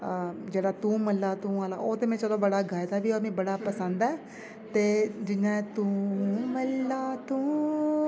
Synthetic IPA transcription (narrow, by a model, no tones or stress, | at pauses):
d͡ʒeːɽaːt̪ũːməlːaːt̪ũːaːla̰ːʔoːt̪eːmɛ̃ːt͡ʃəlõːbəɽaːɡaːjt̪aːbiːomẽːbəɽaːpəsənd̪ɛː | t̪eːd͡ʒɪnːãːɛt̪ũːməlːaːt̪ũː